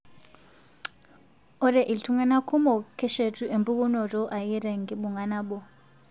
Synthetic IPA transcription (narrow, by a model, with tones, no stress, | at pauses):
ɔ˦ɾɛ˨ʔi˨ltʰu˦ŋɛ˦na˦kʰu˦mɔ˨kʰɛ˦ʃe˨tʰʼu˦ʔe˨mbʼu˦k̬ʼu˦nɔ˨tɔ˦ʔa˨ji˦ɾɛ˨ŋɡi˨˦ɓu˨ŋa˨na˦ɓɔ˨